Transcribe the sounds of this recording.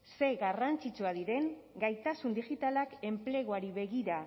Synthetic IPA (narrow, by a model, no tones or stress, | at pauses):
se̞ɣarant͡sit͡suaðiɾe̞ŋɡajt̪asund̪ixit̪alake̞mple̞ɣ̞oaɾiβe̞ɣiɾa